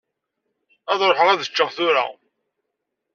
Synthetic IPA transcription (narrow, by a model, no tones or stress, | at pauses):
æðɾoħəʁæðət͡ʃːəʁθʊɾa̰